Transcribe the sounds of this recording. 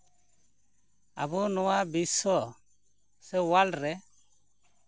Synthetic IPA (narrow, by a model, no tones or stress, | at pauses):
a̰bunɔwabisɔ | sɛwalɖɾɛ